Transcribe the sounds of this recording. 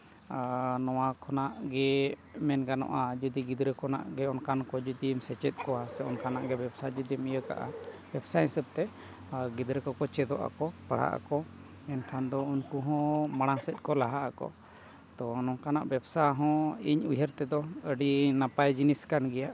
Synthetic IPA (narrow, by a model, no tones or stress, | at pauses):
nɔwakʰɔnaʔɡɛmɛnɡanɔ̰ʔad͡ʒud̪iɡid̪ɾəkɔna̰ʔɡɛɔnkankɔd͡ʒud̪imsɛt͡ʃɛt̪̚ˀkɔwasɛɔnkanaʔɡɛbɛbsad͡ʒud̪imijəka̰ʔa̰b̥ɛbsaɛ̃səb̚t̪ɛ | ɡid̪ɾəkɔkɔt͡ʃɛd̪ɔʔa̰kɔpəɽ̤a̰ʔa̰kɔ | ɛnkʰand̪ɔunkuɦɔ̃maɽ̃ãsɛt̪̚ˀkɔlaɦaʔakɔ̰ | t̪ɔnɔnkanaʔbɛbsaɦɔ̃iɲujəɾt̪ɛd̪ɔəɖinapajd͡ʒiniskanɡɛjaʔ